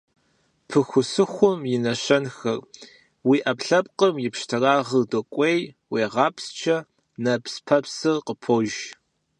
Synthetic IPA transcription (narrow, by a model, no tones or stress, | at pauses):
pʰɨxʷʊsɨxʷʊmjɪnɐɕɐnxɐr | wiːʔɐpɬɐp̚qəmjɪpʃtʰɨraːʁədokʷʼej | weːʁɑːpst͡ʃʰɐ | nɐpspʰɐpsɨrqəpʰoʒ